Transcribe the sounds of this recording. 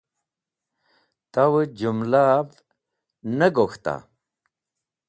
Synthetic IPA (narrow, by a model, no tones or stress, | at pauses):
t̪awəd͡ʑumlav | nəɡoxt̪a̰